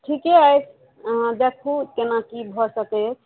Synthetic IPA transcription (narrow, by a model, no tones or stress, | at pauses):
ʈʰikeəjt͡ʃʰ | ɦãd̪ekʰukenakibʱɔsəkɛt͡ʃʰ